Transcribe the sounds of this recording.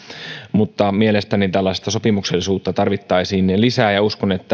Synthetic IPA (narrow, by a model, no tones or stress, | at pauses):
mut̪ːɑmielest̪ænit̪ælːɑist̪ɑso̞pimukselːisuːt̪ːɑt̪ɑrʋit̪ːɑisiːnlisæːjɑuskonet̪ːæ